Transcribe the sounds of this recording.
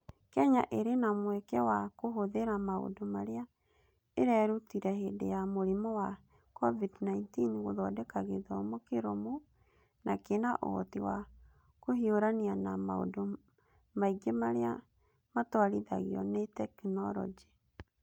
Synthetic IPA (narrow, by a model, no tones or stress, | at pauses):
kɛɲa̰ʔeɾenamwɛkɛwakoɦoðeɾamao̰domaɾea | eɾɛɾutiɾɛhedḛjamoɾemɔwa | kɔvidnaintinɣoðɔdɛkaɣeðɔmɔkeɾomo | nakenaʔo̰tiwa | kohioɾanianamao̰do | maiɡemaɾea | matwaɾiða̰ɣiɔ̰netɛknɔɾɔ̰d͡ʒi